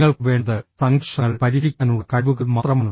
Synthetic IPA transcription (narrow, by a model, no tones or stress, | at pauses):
ŋːɐɭkɨʋe̞ːɳɐðɨsɐŋkʂɐɐɭpɐɾiðikʲːaːnuɭɐkɐʋuɣɐmaːt̪rɐmaːnː